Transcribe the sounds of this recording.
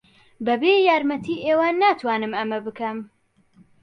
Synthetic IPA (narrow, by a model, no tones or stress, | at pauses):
bɐbeːjaːɾmɐt̪ʰiːʔeːwaːnːaːt̪ʰwaːnɨmɐmɐbɨkɐm